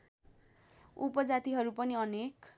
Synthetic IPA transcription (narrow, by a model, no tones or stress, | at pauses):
upʌd͡zat̪iɦʌɾupʌniʌnek